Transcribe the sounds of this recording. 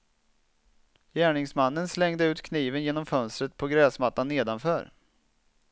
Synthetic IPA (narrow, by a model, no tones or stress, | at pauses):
jæːɳɪŋsmanːənslɛŋd̪əʉ̟ːt̪kʰniːvənjeːnɔmfœnst̪ɾət̪̚pʰɔɡɾɛːsmat̪ːanːeːd̪anfœːɾ